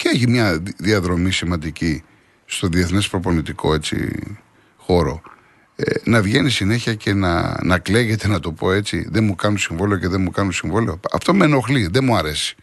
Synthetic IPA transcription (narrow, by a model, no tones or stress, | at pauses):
ceeçimɲɐðiɐðɾo̞misimɐnd̪ici | st̪o̞ðieθne̞spɾo̞po̞nit̪ikʰo̞e̞t͡sḭ | xo̞ɾo̞̰ | enɐvʝe̞nisine̞çiɐce̞nɐ̰nɐkle̞ɣe̞t̪e̞nɐt̪o̞po̞e̞t͡sḭðemukɐnusiɱvoleoce̞ðemukɐnusiɱvo̞leoɐ̰ft̪o̞meno̞xliðe̞muɐɾe̞si̥